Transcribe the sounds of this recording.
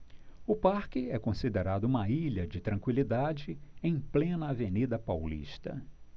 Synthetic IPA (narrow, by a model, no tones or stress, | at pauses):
ʊpaɾkɪɛkõsid̪eɾad̪ʊũmɐiʎɐd͡ʒɪt̪ɾɐ̃ŋkwilid̪ad͡ʒɪẽj̃plẽnɐːvenid̪ɐpawlḭʃt̪ɐ̰